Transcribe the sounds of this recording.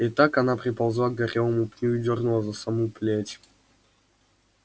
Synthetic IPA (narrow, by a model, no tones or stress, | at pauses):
it̪akɐnapɾʲɪpɐlˠzvˠaɡɐɾʲevəmupnʲuɪd̪ʲorɡnulˠəzɐsɐmuplʲetʲ